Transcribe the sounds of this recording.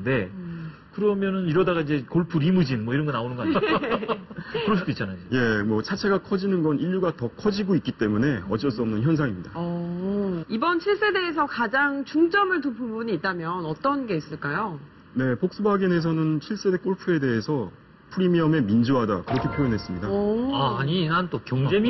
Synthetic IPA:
nde̞ | kɯɾʌmjʌnɯniɾʌdaɡaid͡ʑe̞koɭpʰuɾimud͡ʑinmwʌiɾʌnɡʌnaonɯnɡʌa | kɯɾʌs̬ʰidoit͡ɕ͈ʰanaid͡ʑeje̞mwʌt͡ɕʰat͡ɕʰe̞ɡakʰʌd͡ʑinɯnɡʌniʎːuɡatʌkʰʌd͡ʑiɡoik͈it͈e̞mune̞ʌt͡ɕ͈ʌs͈uʌmnɯnçjʌns̬ʰaŋimɲidaʌ | ibʌnɕʰiɭs͈e̞de̞ːs̬ʰʌkad͡ʑaŋt͡ɕuŋt͡ɕ͈ʌmɯɭtupʰumbuɲiːt̚t͈amjʌnʌt͈ʌnɡe̞is͈ɯɭk͈ajo | ne̞pok̚s͈ubaɡinɦe̞s̬ʰʌnɯnɕʰiɭs͈e̞de̞k͈oɭpʰue̞de̞ɦesʰʌ | pʰuɾimiʌme̞mind͡ʑoɦadakɯɾʌkʰe̞pʰjojʌnɦes͈ɯmɲidaaaɲinant͈okjʌŋd͡ʑem

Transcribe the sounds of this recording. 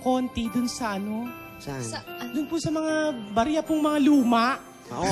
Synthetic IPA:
ko̞ːnt̪id̪ʊnsɐʔɐno̞ | d̪ʊnpʊsɐmɐŋabɐɾjɐpʊŋmɐŋaluːmɐʔ

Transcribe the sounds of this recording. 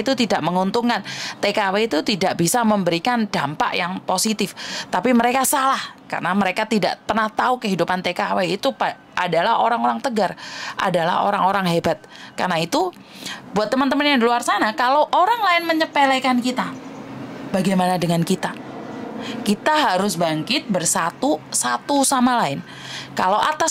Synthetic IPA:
it̪ut̪idaʔməŋunt̪uŋkant̪ekaweit̪ut̪idaʔbisaməmbəɾikandampa̰ʔjaŋposit̪ɪft̪apiməɾekasalahka̰rənaməɾekat̪ida̰ʔt̪ərnaht̪aukəɦidupant̪ekaweit̪upa | ʔadalahoɾaŋoɾaŋt̪əɡarʔa̰dala̰ho̰ɾaŋoɾaŋɦebat̪̚karnait̪u | buat̪ːəmənt̪əmənjaŋdiluarsanakaloʔoɾaŋlaɪnməɲəpelekankit̪a | baɡajmanadəŋankit̪a | kit̪aɦaɾʊsbaŋkɪt̪̚bərsat̪usat̪usamalaɪn | kalowʔat̪as

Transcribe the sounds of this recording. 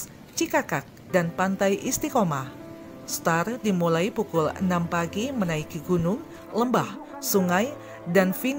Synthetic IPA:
t͡ʃikakak̚danpant̪ajʔist̪ikoma | st̪ardimulaipukʊlə̰nampaɡimənaikiɡunʊŋ | ləmbah | suŋaj | danfin

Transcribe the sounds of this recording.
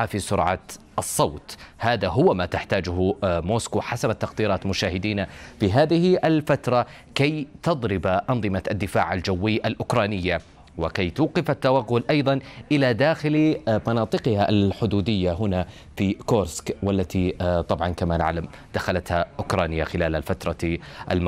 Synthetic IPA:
afisʊɾʕɑ̰ | ʔɑsˤːɑwt̪haːðaɦʊwamat̪aħt̪aːd͡ʒʊɦmoːskuħasabat̪ːaqd̪iːɾˤɑːt̪mʊʃaːhɪd̪iːnafiɦaːðɪhɪʔalfat̪ɾˤɑ | kajt̪ɑðˤɾɪbaʔɑnðˤɨmaad̪ːɪfa̰ːʕald͡ʒawːɪjːʔalʔʊkɾˤɑːnɪjːa | wɪkajt̪uːqɪfat̪ːawaɣːʊlʔɑjðˤɑnʔɪlad̪aːxɪlmɑnɑːt̪ˤɨqɪhaʔalħʊd̪uːd̪ɪjːaɦʊna | fikoːɾskwalːat̪it̪ˤɑbʕɑnkamana̰ʕlam | d̪̥axalat̪haʔʊkɾˤɑːnɪjaxɪlaːlalfat̪ɾˤɑʔa̰lm

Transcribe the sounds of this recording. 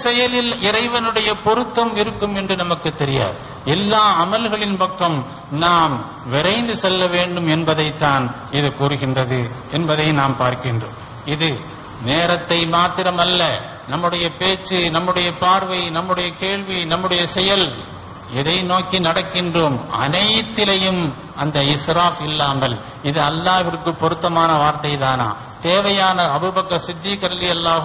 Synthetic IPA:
sɛjɐlɪlɪɾɐɪʋɐnɯɽɐjɐpɔɾɯt̪ːɐmɪɾɯkːɯmɛndrɯnɐmɐkːɯt̪ːɛɾɪja̰ːð | ɛlːaːɐmɐlɣɐɭɪnpɐkːɐm | naːm | ʋɪɾɐɪnd̪ɯsɛlːɐʋeːɳɖɯmɛnbɐðɐɪt̪ːaːn | ɪðɯkuːɾɯɣɪndrɐðɯɛnbɐðɐɪnaːmpaːɾkɪndro̰ːm | ɪðɯ | neːɾɐt̪ːɐɪmaːt̪ɪɾɐmɐlːɐ | nɐmːɯɽɐjɐpeːt͡ʃːɯnɐmːɯɽɐjɐpaːɾʋɐɪnɐmːɯɽɐjɐkeːɭʋinɐmːɯɽɐjɐsɛjɐl | ɪðɐɪnoːkinɐɽɐkːɪndroːmɐ̰nɐjt̪ːɪlɐjɯm | ɐnd̪ɐɪsɾaːfɪlːaːmɐl | ɪðɯɐlːaːʋɪrkːɯpːɔɾɯt̪ːɐmaːnɐʋaːɾt̪ɐɪt̪aːna̰ː | t̪eːʋɐjaːnɐːbɯbɐkːɐsɪd̪ːiːkɐɾɐðɪjɐlːaː

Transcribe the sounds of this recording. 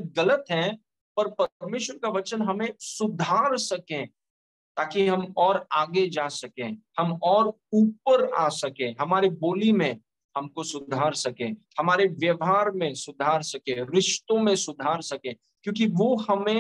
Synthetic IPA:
ɡɐlət̪ɦɛ̃ | pɐɾpɐɾmeːʃwəɾkaʋɐt͡ʃənɦɐmẽsʊd̪ʱaːɾsɐkẽ | t̪aːkiɦɐmɔːɾaːɡed͡ʒaːsɐkẽːhɐmɔːɾ | uːp̚əɾa̰ːsɐkẽːɦɐmaːɾeboːlimẽ | hɐmkosʊd̪ʱaːɾsɐkẽːhɐmaːɾeʋjɐʋɦaːɾmẽsʊd̪ʱaːɾsɐkẽɾɪʃt̪õmẽsʊd̪ʱaːɾsɐkẽː | kjõːkiʋoɦɐmẽ

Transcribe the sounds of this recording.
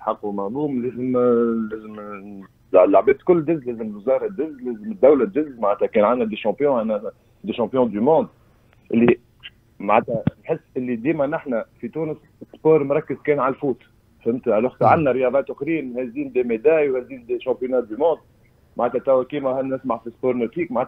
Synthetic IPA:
ħɑqːumaʕluːmlɛːzəmlɛːzəm | alaʕbɛːt̪kʊlːd̪ɪzlɛːzəməlwzɑːɾˤɑd̪ɪzlɛːzəməd̪ːawlæɪzmaʕæt̪hækɛːnʕanːæd̪eʃɑ̃pjɔ̃ʕanːæ | d̪eʃɑ̃pjɔ̃d̪ymɔ̃ːd̪ | ʔɪlːi | maʕat̪ænħɪsːʔɪlːid̪iːmænəħnæfit̪uːnəs | spoːɾˤmɾˤɑkːəzkɛːnʕalfuːt̪ | fəmt̪æloːxsæʕanːæɾjɑðˤɑːt̪ʔʊxɾiːnhɛziːnd̪emed̪æːjwhɛziːnd̪eʃɑ̃pjonɑd̪ymɔ̃ːd̪̚ | maʕæt̪æt̪æwækiːmæhænːɪsmaʕfispoːɾˤnot̪iːkmaʕat̪

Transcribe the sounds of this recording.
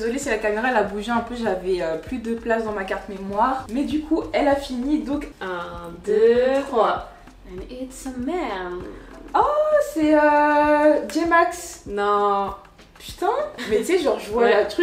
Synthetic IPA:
ezɔlesilakameʁaɛlabuʒeɛ̃pøʒavɛøplyd̪əplasd̪ɑ̃makaʁt̪memwaʁmɛd̪ykʰuɛlafinid̪ɔ̃kɛ̃d̪øχwa | ɛnetmɛ | ɔsɛø | d͡ʒemaksnɔ̃ | py̥t̪ɛ̃mɛseʒəʁʒwalat̪χy

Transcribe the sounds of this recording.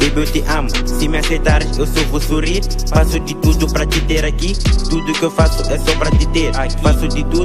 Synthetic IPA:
bebewt̪eʔãmʊsimɪasejt̪aɾewsovosuɾiɾ | ffasʊd̪ɪt̪ud̪ʊpɾɐt̪it̪eɾakit̪ud̪ʊkewfasʊɛsɔpɾɐt̪ɪt̪eɾakasʊd̪ɪt̪ud̪

